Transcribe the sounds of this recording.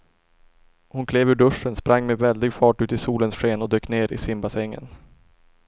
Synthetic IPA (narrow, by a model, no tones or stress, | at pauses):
hʊnkʰleːvʉɖɵʂːənspɾʔaŋːmɛvɛld̪ɪɡfɑːʈʉ̟ːt̪ɪsuːlənsɧeːnɔd̪øːkneːɾɪ̰sɪmbasɛŋːə̰n